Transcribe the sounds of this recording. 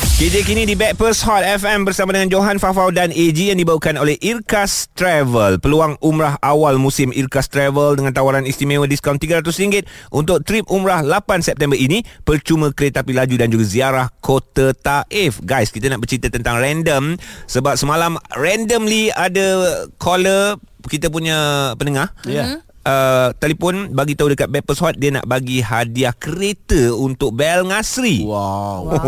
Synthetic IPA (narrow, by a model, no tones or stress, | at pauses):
ked͡ʒek̬inĩdibɛt̪̚pəshɔt̪̚ɛfɛmbərsamadəŋand͡ʒoɦanfafawdaned͡ʒijaŋdibawukanolɛhʔirkast̪ɾɛvəlpəluaŋʔumɾaɦʔawalmũsɪmʔirkast̪ɾɛvəldəŋãnt̪awaɾanist̪imẽwədiskawnt̪iɡəɾat̪ʊsəɾiŋɡɪt̪̚ʔunt̪ʊk̚t̪ɾip̚umɾahlapansɛp̚t̪ɛmbərinĩpərt͡ʃumə̃kɾet̪ːapilad͡ʒudand͡ʒuɡaziaɾahkʰot̪ət̪aʔɛfɡajskit̪ənaʔbərt͡ʃɾit̪ət̪ənt̪aŋrɛndəmsəbap̚səmalamrɛndəmliadəkʰolə | kit̪əp̬uɲə̃pənəŋah | ʔət̪alipɔnbaɡit̪aɦudəkat̪̚bɛt̪̚pəsawat̪̚diana̰ʔbaɡiɦadiahkəɾet̪əunt̪ʊk̚bɛlŋasɾiwa